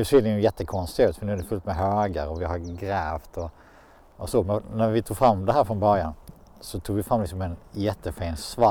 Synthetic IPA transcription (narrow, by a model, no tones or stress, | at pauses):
sʏɪjjɛt̪ːəkʰɔnst̪ɪʉːt̪fœnʉ̟ːæɖɛfɵlt̪mɛɦøːɡəɾɔvɪɦaɾɡɾɛːft̪ʰɔ | ɔsoːmɛnnæɾvɪt̪ʰuːɡfɾamːd̪ɛɦæːɾfɾɔnbœɾjan | sɔt̪ʰuːɡvɪfɾamːlɪksɔmɛnjɛt̪ːəfɛɪnsvɑ